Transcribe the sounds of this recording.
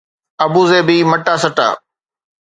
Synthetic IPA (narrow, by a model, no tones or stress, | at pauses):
ɐbuːzeːbiːmɐʈaːsɐʈa̰ː